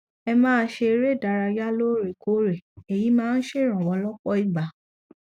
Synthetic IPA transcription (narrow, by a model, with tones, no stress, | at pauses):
ɛ˧mãː˦˧˦ʃe˧ɾe˦˨da˨˧ɾa˧ja˦lo˦ɾe˨ko˨˦ɾe˨e˨ji˨˦mãː˦˧n̩˦ʃe˦˨ɾ̃ã˨wɔ˨˧˦lɔ˦k͡pɔ˦i˦˨ɡ͡ba˨˦